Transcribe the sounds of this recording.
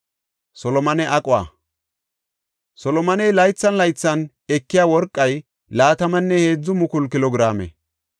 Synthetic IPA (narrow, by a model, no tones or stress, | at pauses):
sɔlɔmɐnɛʔɐkʼʊwa̰ | sɔlɔmɐnɛjlɐjt͡sːɐnlɐjt͡sːɐn | ɛkːɪjaːwɔɾkʼːɐj | laːt̪ɐmɐnːɛhe̞ːd͡zːʊmʊkʊlkɪlɔɡɾaːmɛ̰